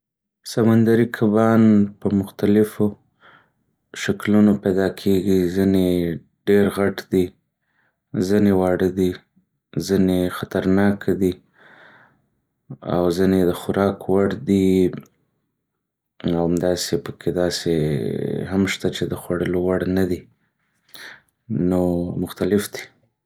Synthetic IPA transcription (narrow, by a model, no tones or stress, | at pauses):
samand̪aɾikʰabɑnpəmʊxt̪alɪfo | ʃaklunopajd̪ɑkʰeɡizine | ɖeɾɣaʈd̪i | zinewɑɽəd̪i | zinexat̪aɾnɑkʰad̪i | a̰wzined̪əxʊɾɑkwaɽd̪i | awamd̪ɑsepəkʰed̪ɑsḛ | hamʃt̪at͡ʃed̪əxwaɽəlowaɽnad̪i | nomʊxt̪alɪfd̪i̥